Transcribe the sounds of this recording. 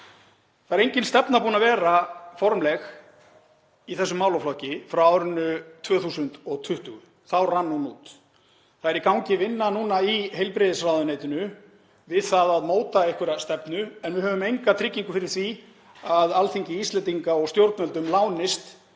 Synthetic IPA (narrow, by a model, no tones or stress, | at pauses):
θaɛɾejɲcɪnst̪ɛpnaɾpuːnavɛːɾafɔɾmlɛx | iθɛsːʏmːawlaflɔwhcɪfɾawawɾʏnːʏt̪ʰvœːθusʏnt̪ɔɣt̪ʰʏht̪ʏɣʏ | θawranːunuːt̪ | θaɛɾikawɲcɪvɪnːanuːnaiɦejlpɾɪðɪsrawðʏnejt̪ʏnʏ | vɪðθaðaðmoːwt̪aehkvɪɾast̪ɛpnʏɛnvɪðɦœːvʏmejŋkat̪ʰɾɪcːiŋkʏfɪɾɪɾ̥θvi | aðalθiɲcɪist̪lɛnt̪iŋkaɔɣst̪jowɾt̪nɛlt̪ʏmlaːwnɪst̪